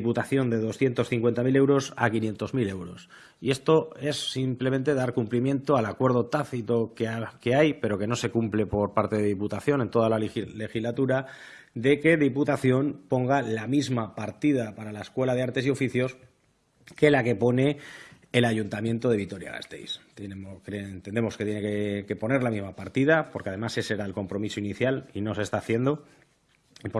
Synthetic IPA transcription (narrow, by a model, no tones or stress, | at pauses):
iput̪aθjo̞nd̪e̞ð̞o̞sθje̞nt̪o̞sθiŋkwe̞nt̪amile̞wɾo̞sa̰kinje̞nt̪o̞zmile̞wɾo̞s | ie̞st̪o̞e̞sːimple̞mẽ̞nt̪e̞ðaɾkumplimjẽ̞nt̪oalakwe̞ɾð̞o̞t̪aθit̪o̞kke̞ajpe̞ɾo̞ke̞no̞se̞kumple̞po̞ɾpaɾt̪e̞ðeðiput̪aθjo̞ne̞nt̪o̞ð̞alale̞xizlat̪uɾa | ðe̞ke̞ðiput̪aθjo̞npo̞ŋɡalamizmapaɾt̪iðapaɾalaeskwe̞laðe̞aɾt̪e̞sio̞fiθjo̞s | ke̞lake̞po̞ne̞ | elaʝunt̪amje̞nt̪o̞ð̞e̞β̞it̪o̞ɾja̰ɣa̰st̪e̞̰jst̪kent̪e̞ne̞mo̞sket̪je̞nekeke̞po̞ne̞ɾlamizmapaɾt̪ið̞apoɾkeað̞e̞mase̞seɾaelko̞mpɾo̞misoiniθjalino̞se̞st̪aːθje̞nd̪o̞ | p